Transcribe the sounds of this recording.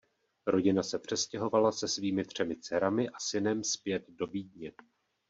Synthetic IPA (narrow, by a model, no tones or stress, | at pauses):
ɾo̞ɟɪnasɛpr̝̥ɛscɛɦo̞valasɛsviːmɪt̪r̝̥ɛmɪt͡sɛɾamɪʔasɪnɛmspjɛt̪do̞viːdɲɛ